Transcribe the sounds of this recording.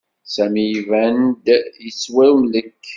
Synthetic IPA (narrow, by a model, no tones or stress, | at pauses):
sæmivænd̪jəswæmləkː